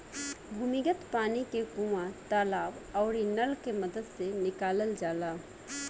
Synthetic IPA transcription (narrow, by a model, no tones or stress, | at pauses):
bʱuːmɪɡət̪paːnikekũʋãt̪aːlaːbɔːɾinəlkeməd̪əd̪senɪkaːləld͡ʒaːlaː